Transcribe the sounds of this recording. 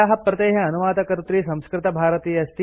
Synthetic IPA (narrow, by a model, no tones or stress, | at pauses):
aːɦɐpɾɐt̪eːɦɐɐnuʋaːd̪ɐkɐɾt̪ɾiːsɐ̃mskɾɪt̪ɐbʱaːɾɐt̪iːjɐst̪i